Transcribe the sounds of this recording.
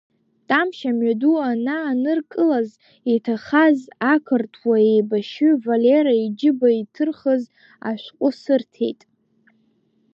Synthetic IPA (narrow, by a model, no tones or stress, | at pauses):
tʼamʃamɥaduanaːnɨrkʼɨlaz | etʰaχazakʰɨrtʰwaejbaʃʏvaleɾaid͡ʒɪbaitʰɨrχəz | a̰ʃʷqʷʼʊsɨrtʰe̞̰jtʼ